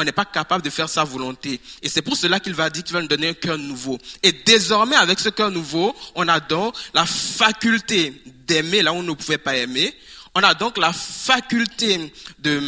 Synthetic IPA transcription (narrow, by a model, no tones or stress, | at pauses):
ɔ̃nɛpakapabləd̪əfɛʁsavɔlɔ̃t̪eesɛpuʁsəlakilvad̪iːʁkilvanud̪ɔneɛ̃kœʁnuvoed̪ezɔʁmɛavɛksəkœʁnuvoɔ̃nad̪ɔ̃klafakʲylt̪ed̪ɛmelaɔ̃nəpuvɛpaɛmeɔ̃nad̪ɔ̃klafakʲylt̪ed̪ə